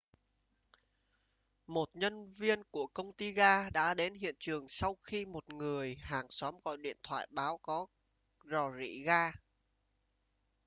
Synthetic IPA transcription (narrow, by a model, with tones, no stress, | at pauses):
mo˨˩t̚ɲə˧nvi˧ənku˧˩əkə˧wŋ͡mt̪i˧ɣaː˧ɗa̰ː˧˥ɗe˨˦nɦḭ˧˨ənt͡ɕɨ˨˩əŋsa˧wxi˧mo˨˩t̚ŋɨ˨˩əjhaː˨˩ŋsɔ˨˦mɣɔ̰˧˨jɗḭ˧˨ənt̪ʰwa̰ː˧˨jɓaː˨˦wkɔ˨˦ | zɔ˨˩zḭ˧˥˨ɣaː˧